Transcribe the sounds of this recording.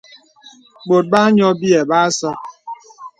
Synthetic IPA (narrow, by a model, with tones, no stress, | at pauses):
k͡po˨t̚ba˦ɲɔ˦bi˦e˨ba˦sa˦